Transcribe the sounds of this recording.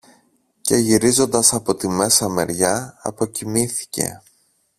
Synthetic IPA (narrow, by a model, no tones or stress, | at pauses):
ce̞ʝiɾizo̞nd̪ɐsɐpo̞t̪ime̞sɐme̞̰ɾʝɐɐ̰po̞cimiθi̥ce̞̰